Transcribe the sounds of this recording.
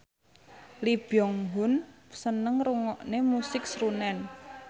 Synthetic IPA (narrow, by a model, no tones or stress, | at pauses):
lib̥jɔŋɦʊnsənəŋɾuŋɔʔnemusɪk̚sɾunɛn